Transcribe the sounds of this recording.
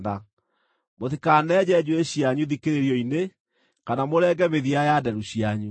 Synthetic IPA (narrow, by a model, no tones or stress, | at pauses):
ða | moðikanɛd͡ʑɛd͡ʑueɕjaɲuðikeɾeɾjɔine | kanamoɾɛːɡɛmeðiajadɛɾuɕjaɲu